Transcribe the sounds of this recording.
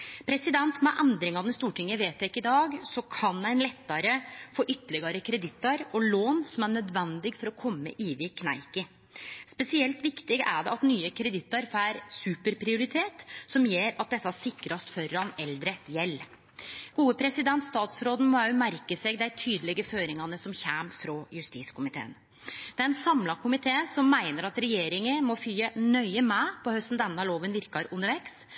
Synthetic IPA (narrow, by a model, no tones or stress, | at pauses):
pʰɾɛsɪd̪ɛnt̪mɛʔɛnd̪ɾɪŋɑnɪst̪uːʈʰɪŋːəʋeːt̪ʰɛkːɪd̪ɑːɡsɔkʰɑnd̪æɪnlɛt̪ːɑɾəfoːʔʏt̪ːlɪɡɑɾəkʰɾɛd̪ɪt̪ːɑɾɔloːnsɔmæɳœd̪ʋɛnd̪ɪɡfɔɾɔkʰɔmːə̰ʔiːʋɪkʰnæ̰ɪkə | spɛsɪɛlt̪ʋɪkt̪ɪɡəʔæɖɛɑt̪nyːəkʰɾɛd̪ɪt̪ːɑɾfæɾsʉːpəɾpʰɾɪʊɾɪt̪ʰeːt̪sɔmjeːɾɑt̪̚d̪ɛsːɑsɪkɾɑst̪fœɾɑnɛld̪ɾəjɛlː | ɡ̥uːəpʰɾɛsɪd̪ɛnt̪st̪ɑːt̪sɾoːd̪n̩mɑʉmæɾkəseːɡd̪æɪt̪ʰyːd̪əlɪɡəføːɾɪŋɑnəsɔmçæːmfɾɔjʉst̪iːskʊmɪt̪ʰḛːn | d̪ɛæɾɛnsɑmlɑkʰʊmɪt̪ʰeːsɔmːæɪnəɾɑt̪ɾɛjeːɾɪŋəmɔfyːənœʏəmɛpʰɔhœst̪n̩d̪ɛnːɑloːʋənʋɪɾkɑɾʉnːəʋɛks